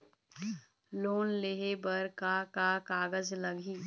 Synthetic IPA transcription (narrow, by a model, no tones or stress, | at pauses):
loːnleɦebəɾkakakaːɡəzlɐɡiː